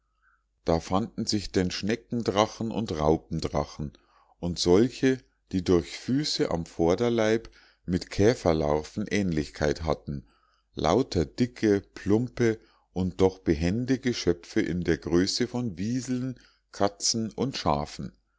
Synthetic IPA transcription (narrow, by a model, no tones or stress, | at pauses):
d̥aːfandn̩zɪçd̥enʃnɛkŋ̩dʁaχn̩ʔʊ̰ntʁaʊp̚m̩dʁa̰χn̩ | ʔʊntz̥ɔlçə | d̥iːdʊɐçfyːsəʔa̰mfɔɐdɐlaɪp | mɪtkʰɛːfɐla̰ʊfn̩ʔɛːnlɪçkʰaɪtɦatn̩ | lʔa̰ʊtʰɐd̥ɪkʰəpʰlʊmpə | ʔʊntd̥ɔχb̥əɦɛndəɡəʃœfəʔɪ̰ndeːɐɡʁøːsəfɔnviːzl̩n | kʰat͡sn̩ʔʊntʃa̰ːfn̩